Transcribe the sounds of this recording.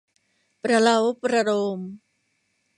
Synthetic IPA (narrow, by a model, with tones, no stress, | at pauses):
pɾa˧la˧˦wpɾa˧ɾoː˧m